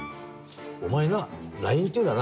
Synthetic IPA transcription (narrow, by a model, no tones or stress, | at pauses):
omaenaɾaĩnt̪eɯnːan